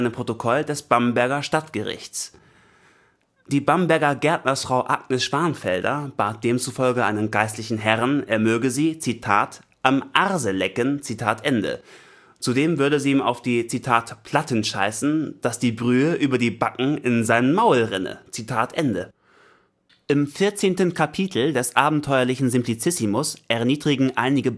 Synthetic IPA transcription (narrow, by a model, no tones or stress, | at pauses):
nəmpʁ̥otokʰɔldɛsb̥ambɛɐɡɐʃtatɡ̥əʁɪ̰çtt͡s | d̥iːbambɛɐɡɐɡɛɐtnɐsfʁ̥aʊʔaɡ̚nəsʃv̥aɐnfɛldɐ̰b̥aːt̚d̥eːmt͡sufɔlɡəʔa̰ɪnənɡaɪstlɪçn̩ɦɛʁənʔeːɐmøːɡəziːt͡sitʰaːt | ʔamʔaʁzəlɛkənt͡sitʰaːtʔɛndə̰ | t͡sudeːmvʏɐɾəziːiːma̰ʊfd̥iːt͡sitʰaːtpʰl̥atənʃa̰ɪsn̩d̥asd̥iːbʁyːəʔyːbɐdiːbakŋ̩ɪnzaɪnənmaʊlʁɪnə̰t͡sitʰaːtʔɛndə | ʔɪmfɪɐt͡seːntən̩kʰapʰiːtʰl̩dɛsʔaːbm̩tʰɔʏɐlɪçn̩zɪmpʰlit͡sɪsimʊsʔɛɐniːdʁiɡŋ̩ʔa̰ɪnɪɡə